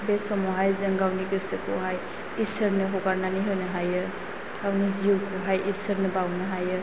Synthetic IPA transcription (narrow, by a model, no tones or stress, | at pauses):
besɔmɔɦajzɯŋɡawniɡɯsekʰɔɦaj | isɯɾnɯɦɔɡaɾnaniɦɯjnɯɦajɯ | ɡ̥awniziuwkʰɔɦajʔisəɾnɯbawnɯɦajɯ